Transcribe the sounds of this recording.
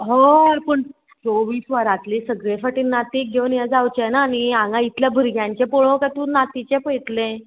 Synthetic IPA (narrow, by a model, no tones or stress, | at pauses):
ɦoɾpəɳ | t͡soʋiːsʋaɾat̪liːsəɡɭefəʈiːnat̪iːk̚ɡʱewnjad͡zawt͡ɕenaːniãŋɡãit̪ljabʱəɾɡʱjãɲt͡ɕepoɭõkat̪unat̪it͡ɕɛ̃pəjt̪lẽ